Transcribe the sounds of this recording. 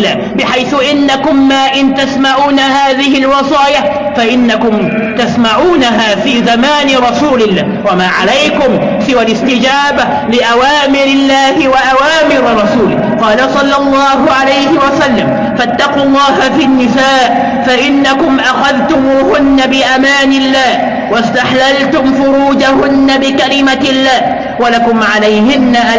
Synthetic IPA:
aː | bɪħajθʊʔɪnːakʊmːaːʔɪnt̪asmaʕuːnahaːðɪhɪlwɑsˤɑːja | faʔɪnːakʊm | t̪asmaʕuːnaɦaːfiːzamaːnɪɾˤɑsuːlɪlːaːwamaːʕalajkʊm | sɪwalɪst̪ɪd͡ʒaːba | lɪʔawaːmɪɾɪlːaːhɪwaʔawaːmɪɾɾˤɑsuːlɪ | qɑːlasˤɑlːɑlˤːɑːɦʊʕalajhɪwasalːam | fat̪ːɑquːlˤːɑːhafinːɪsaːʔ | faʔɪnːakʊmʔaxaðt̪ʊmuːhʊnːabɪʔamaːnɪlːaːh | wast̪aħlalt̪ʊmfʊɾuːd͡ʒahʊnːabɪkalɪmaɪlːaːh | walakʊmʕalajhɪnːaʔa

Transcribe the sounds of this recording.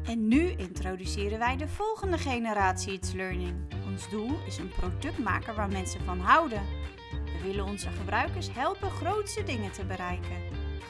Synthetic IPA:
ɛnːyɪntrowdysɪːɾənʋɛjdəv̥ɔlˠχəndəχejnəɾaːtsiətsløːɹnɪŋɔnzdulˠɪsənprowdɵk̚tma̰ːkəɹʋaːɹmɛnsəvɑnɦɑwdən | ʋəʋɪlənɔnzəχəbrœɥkəɹsɦɛlˠpəχrowtsədɪŋətəbəɾɛjkən

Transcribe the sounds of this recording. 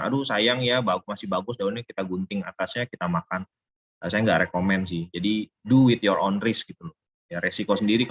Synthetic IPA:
a̰dusajaŋjabaɡmasɪhbaɡʊsdaunɲakit̪aɡunt̪ɪŋa̰k̪asɲakit̪amakan | asajaŋɡaʔɾekomɛns̬ɪhd͡ʒadi | duwɪt̪jɔɾʔonrɪsɡit̪ulʊ | jaɾesikosəndiɾik

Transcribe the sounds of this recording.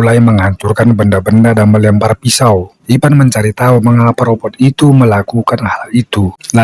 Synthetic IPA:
laiməŋaɲt͡ʃurkanbəndabəndadanməlɛmparpisaw | ipanməɲt͡ʃaɾit̪auməŋapaɾɔpɔt̪it̪uməlakukanhalit̪ula

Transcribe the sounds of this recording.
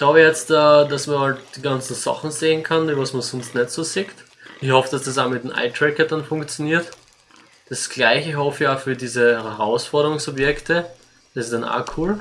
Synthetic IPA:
çklaʊbəjɛt͡staːdasmɐhaltd̥iːɡant͡sn̩sa̰χn̩zeːənkʰanivasmɐsɔnstnɛtsoːsɪkt | ɪçhɔfəd̥asd̥asaːmɪtmʔa̰ɪtʰʁɛkɐd̥anfʊ̃ŋkt͡sjoniːɐt | d̥asɡ̥laɪçəɪçhɔfəaːfyːɐdiːzəhɛhɐʁaʊsfɔɐɾəʁʊŋsobjɛktə | d̥asɪstd̥ana̰ːkʰuːl

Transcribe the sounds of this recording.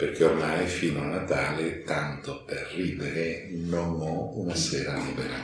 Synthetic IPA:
perk̟eormajfiːnoanat̪aːlet̪ant̪operːiːd̪eɾenonɔunasɛːɾaliːbeɾa

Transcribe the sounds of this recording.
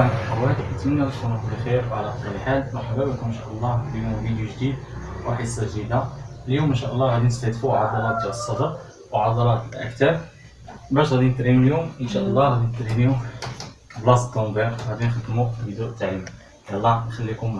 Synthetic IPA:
nħawæd̪ikt̪mənːækəʃt̪ɑnukbəxiɾwʕalæʔət̪ˤɑɾəlħalmæħabæbəkʊmənʃæʔəlˤːɑbimubid̪juʒd̪id̪̚waħəsːɑʒd̪id̪aəljumənʃæʔəlˤːɑɣæd̪inəst̪æt̪fuʕɑd̪ˤɑɾˤɑt̪ʒaəsˤːɑd̪əɾ | wʕɑd̪ˤɑɾˤɑt̪əlʔæ̰kt̪æb | bæʃt̪ɣæd̪int̪ˤɾimuljumʔənʃæʔəlˤːɑɣæd̪inət̪ɾimiu | blɑst̪ombæɾɣæd̪inxəd̪mubəd̪uʔt̪ːaʕim | jælˤːɑnxælːikʊm

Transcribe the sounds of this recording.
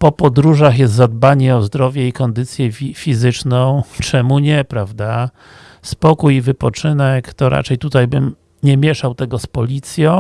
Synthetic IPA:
pɔpɔd̪ɾuʐaxjɛst̪zad̪̚baɲɛɔzd̪ɾɔvʲjɛikɔnd̪ɘt̪sʲjɛifʲizɘt͡ʂnɔ̃w̃t͡ʂɛmuɲɛpɾavd̪a | spɔkujivɘpɔt͡ʂɘnɛkt̪ɔɾʔa̰t͡ʂɛjt̪ut̪ajbɘm | ɲɛmʲjɛʂawt̪ɛɡɔspɔlʲit̪sʲjɔ̃w̃

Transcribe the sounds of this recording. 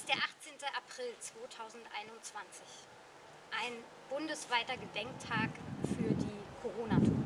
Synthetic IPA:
ɪstd̥eːɐʔaχt͡seːntəʔapʁ̥ɪlt͡sv̥oːtʰaʊzn̩tʔa̰ɪnʊnt͡sv̥ant͡sɪç | ʔaɪn | b̥ʊndəsv̥aɪtɐɡədɛŋk̚tʰaːkfyːɐdiːkʰoʁoːnatʰṵːɐ

